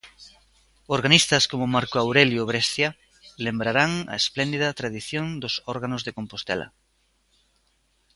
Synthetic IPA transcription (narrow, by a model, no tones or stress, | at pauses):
oɾɣanist̪ɐskomʊmaɾkoawɾeljoβɾɛst̪ja | lembɾaɾaŋɐ̰esplend̪iðɐt̪ɾaðiθjõnd̪ʊsɔɾɣanʊzðekompost̪ɛ̰lɐ̰